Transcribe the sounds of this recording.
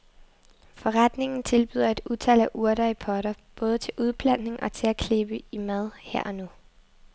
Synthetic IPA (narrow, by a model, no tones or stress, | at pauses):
fɒ̽ʁad̥ne̝ŋn̩t͡sʰe̝lb̥y̰ːð̞̰ˠɐe̝d̥uðˠt͡sʰɛl̰æʔuɐɾ̥ɐipʰɒɾ̥ɐb̥ɔ̽ːð̞ˠət͡sʰe̝lʔuð̞ˠb̥ʰlæn̰̥ne̝ŋʔɒ̽t͡sʰe̝lækʰle̝b̥əimæð̞ˠheɐ̰ɒ̽nu